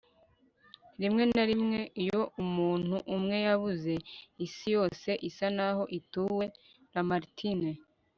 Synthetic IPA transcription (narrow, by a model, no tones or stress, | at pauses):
ɾimŋe̞naɾimŋe̞ijo̞umuːn̥huʔumŋe̞jaβuze̞isijo̞ːse̞ʔisanaɦo̞ʔituːwe̞ | ɾamaɾtʰine